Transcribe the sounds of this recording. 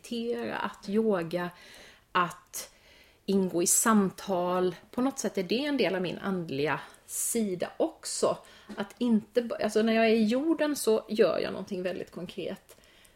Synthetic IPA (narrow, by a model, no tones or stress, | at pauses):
t̪ʰeːɾa̰ʔat̪joːɡa | ʔat̪ | ɪnɡoːɪsamt̪ʰɑːlpʰɔnɔt̪sɛt̪ːæɖɛɛnd̪eːlavmɪ̰nʔa̰nd̪lɪɡasiːd̪a̰ʔɔksɔʔat̪ʰɪnt̪əba̰lsɔnæɾjɑːɡæɾɪjuːɖənsɔjœ̰ːɾjɑ̰ːnɔ̰nt̪ʰɪŋːvɛld̪ɪ̰t̪kʰɔŋkʰɾḛːt̪